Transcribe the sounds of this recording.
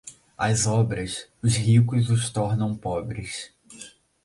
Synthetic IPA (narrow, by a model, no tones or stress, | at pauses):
ɐzɔbɾɐsʊzɦikʊzʊst̪ɔɾnɐ̃w̃pɔbɾɪs